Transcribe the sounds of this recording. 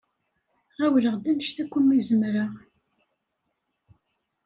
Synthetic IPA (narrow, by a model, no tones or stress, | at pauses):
ʁæwləʁd̪æmʃt̪ækʷːəmːizəmɾəʁ